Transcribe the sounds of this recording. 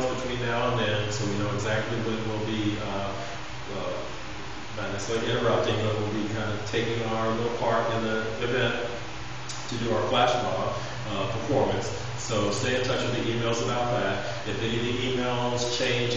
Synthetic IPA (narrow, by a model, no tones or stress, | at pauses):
zb̥ɨtʰw̥ĩnðaʊə̃nɨ̃nsoʊjɨnoʊɨɡzæk̚tˡliwʌt̚wɪlˠbiʌ | ʌ | mãɪ̃nɨseɪɪ̃ɾ̃ə˞ʌp̚tɪ̃ŋðʌt̚wɪlˠbikʰãɪ̃ndɨ̥tʰeɪkɪ̃ŋaʊə˞lɪɾl̩ˠpʰɑɹɾɨ̃nðə | ɨvɛ̃n | tʰɨdɨaʊə˞flæʃfɑ̰ | ʌpʰə˞fɔɹmɨ̃ns | soʊsteɪɨ̃ntʰʌt͡ʃwɨðiʔimeɪlˠzəbaʊt̪̚ðæɾ̚ | ɨfɛniθĩimeɪlˠz̥t͡ʃʰẽɪ̃nd͡ʒ